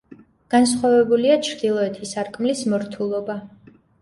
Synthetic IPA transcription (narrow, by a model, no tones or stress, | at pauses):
ɡ̥ans̬χwavɛbuliat͡ʃʰɾd̪ilˠɔɛt̪ʰisaɾkʼmlismɔɾt̪ʰulˠɔba